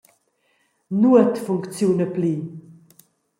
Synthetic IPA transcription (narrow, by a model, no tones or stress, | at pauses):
nuət̪fuŋkt͡sjunəpli